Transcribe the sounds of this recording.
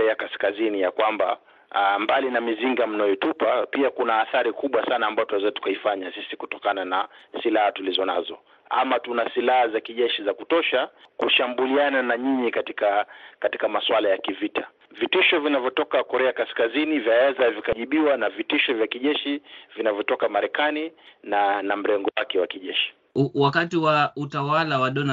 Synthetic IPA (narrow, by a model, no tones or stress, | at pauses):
ɛakaskazinijakwamba̰ | mbalinamiziŋɡam̩najɔtupapiakunaːθaɾikuɓwasanaːmbajɔtuɛzatu̥kaifaɲasisiku̥tɔkananasilahatulizɔna̰zɔ̰ | a̰matunasilahazakiʄɛʃizakutɔʃakuʃambuliananaɲiɲikatikakati̥kamaswalajakivita | vitiʃɔvinavjɔtɔkakɔɾɛakaskazinivjaɛzavikaʄiɓiwanavitiʃɔvjakiʄɛʃivinavjɔtɔkamaɾɛkaninanam̩ɾɛŋɡɔwakɛwakiʄɛʃi̥ | wakatiwautawalawaɗɔna